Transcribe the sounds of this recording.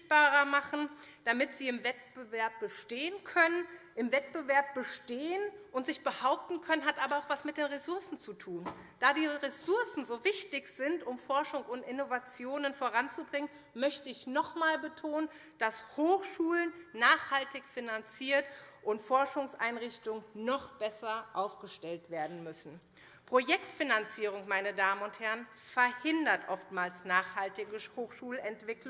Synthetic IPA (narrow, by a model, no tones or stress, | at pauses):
b̥aːʁɐmaχn̩d̥amɪtz̥iːɪmvɛt̚b̥əvɛɐp̚b̥əʃteːənkʰœnənʔɪmvɛt̚b̥əvɛɐp̚b̥əʃteːənʔʊntz̥ɪçb̥əhaʊp̚tn̩kʰœnənɦatʔaːbɐaʊxv̥asmɪt̚d̥eːnʁesʊɐsn̩t͡sutʰuːn | d̥aːdiːʁesʊɐsn̩zoːvɪçtɪçz̥ɪntʊmfɔɐʃʊŋʊntʔɪnovat͡sjoːnənfoːʁant͡subʁɪŋən | mœçtəɪçnɔχmaːlbətʰoːnən | d̥ashoːxʃuːlənːaːχhaltɪçfinant͡siːɐtʔʊntfɔɐʃʊŋsʔa̰ɪnʁɪçtʊŋnɔχb̥ɛsɐʔaʊfɡ̥əʃtɛltv̥eːɐdn̩mʏsn̩ | pʁ̥ojɛktfinant͡siːʁ̞ʊŋmaɪnədaːmənʊnthɛɐən | fɛɐhɪndɐtʔɔftmaːlsnaːχhaltɪɡəhoːxʃuːlɛntv̥ɪklʊ